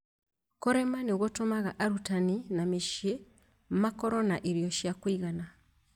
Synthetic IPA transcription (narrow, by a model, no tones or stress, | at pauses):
koɾemaniɣotomaɣaʔaɾutaninamiʃe | m̩makoɾonaʔiɾijoʃjakwiɣana